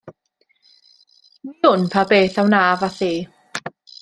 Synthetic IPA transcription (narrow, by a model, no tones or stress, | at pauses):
wiːhʊnpʰabeːθawnaːvaθiː